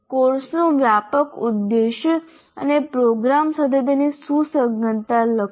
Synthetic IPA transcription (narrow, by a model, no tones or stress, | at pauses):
koɾsnuʋjapəkud̪ːeɕə | a̰nepɾoɡɾamsəd̪ʱət̪̬enisusəɡənt̪alə